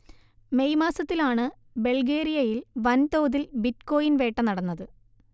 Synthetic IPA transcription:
me̞jmaːsɐt̪ːilaːɳɨ | be̞ɭɡeːɾijɐjilʋɐnt̪oːðilbitko̞ːjinʋe̞ːʈːɐnɐɽɐnːɐðɨ

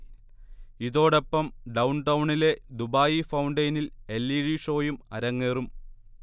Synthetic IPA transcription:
iðo̞ːɽe̞pːɐmɖɐwɳʈɐwuɳile̞d̪ubaːjifɐwuɳɖɐjnilelːiːɻiʂo̞ːjumɐɾɐŋːeːrum

